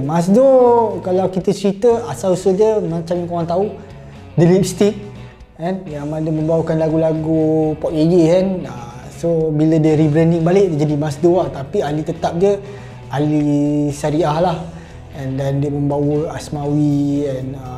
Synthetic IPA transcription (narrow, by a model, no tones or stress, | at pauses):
mas̬dokalawkit̪ət͡ʃəɾit̪əasausəhdiəmãt͡ʃamkoɾaŋt̪au | dəlip̚st̪ik̚ | ɛnjaŋmadəmə̃mbawəkanlaɡulaɡupɔk̚ejikanə | sobilədəɾibɾɛndɪŋbalɪʔ̚diəd͡ʒadimasdoaht̪apialit̪ət̪ap̚diə | alisaɾiahlah | ɛndɛndiəmə̃mbawəasmawiɛn